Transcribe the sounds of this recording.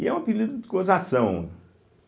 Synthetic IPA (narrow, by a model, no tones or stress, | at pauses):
ɛũpid̪id̪ʊd̪ɪ̥kõzasɐ̃w̃